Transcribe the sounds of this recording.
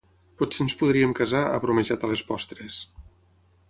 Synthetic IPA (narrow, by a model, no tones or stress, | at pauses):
potsenspuðɾiemkazaə̰βɾumeʒat̪alespɔst̪ɾes